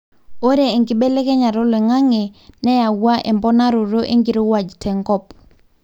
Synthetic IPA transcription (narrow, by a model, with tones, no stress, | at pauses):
o˦ɾeː˨ŋɡi˨be˦lɛ˦kɛ˦ɲa˨ɾɔ˦lɛ˨ŋa˦ŋe˨nɛ˦ja˨wwa˦ʔɛ˨mbɔ˦na˦ɾo˨ɾo˦ʔḛ˦ŋɡi˨ɾo˦wa˨d͡ʒtʰɛ˨ŋkɔ˦p̚